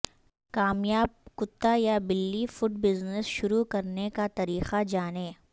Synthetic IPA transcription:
kaːmjaːb̚kʊt̪ːajabɪlːifʊʈbɪznəsʃʊɾukɐɾnekat̪ɐɾiːqad͡ʒaːneː

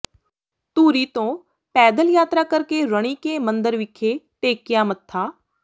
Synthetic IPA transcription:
t̪uːɾiːt̪õː | pɛːd̪əljaːt̪ɾaːkəɾkeːɾəɽ̃iːkeːmə̃nd̪əɾʋɪkʰːeːʈeːkɪjaːmət̪ʰːaː

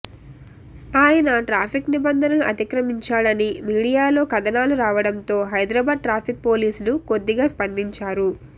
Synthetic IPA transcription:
aːjɐnɐʈɾaːpʰiknibɐnd̪ʱɐnɐluʔɐt̪ikɾɐmiɲt͡ʃaːɽɐnimiːɽijaːlo̞ːkɐd̪ɐnaːluɾaːʋɐɽɐnt̪o̞ːɦɐjd̪ɾɐbaːd̪̚ʈɾaːpʰik̚po̞ːliːsluko̞d̪ːiɡaːspɐnd̪iɲt͡ʃaːɾu

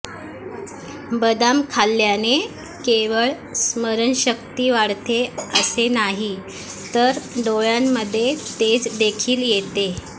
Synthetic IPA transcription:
bəd̪amkʰalːjane | keʋəɭ | sməɾənɕəkt̪iːʋaɽt̪eəsenaɦi | t̪əɾɖoɭamːəd̪ʱːjet̪ed͡zd̪ekʰiːljet̪e

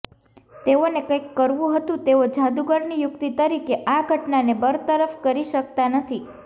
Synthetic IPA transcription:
t̪eonekə̃jkːəɾʋũɦət̪ũt̪eod͡ʒad̪uɡəɾnijʊkt̪it̪əɾikeʔaɡʱəʈnanebəɾt̪əɾəfkəɾiʃəkt̪anət̪ʰi

